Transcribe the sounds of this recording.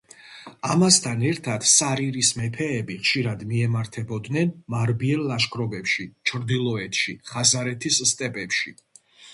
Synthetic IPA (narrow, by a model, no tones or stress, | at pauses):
amast̪ʰanɛɾt̪ʰad̪̥saɾiɾismɛpʰɛːbiχʃiɾad̪miɛmaɾt̪ʰɛbɔd̪nɛnmaɾbiɛllaʃkʰʼɾɔbɛpʃit͡ʃʰɾd̪ilˠɔɛt̪ʰʃiχazaɾɛt̪ʰisst̪ʼɛpʼɛpʃi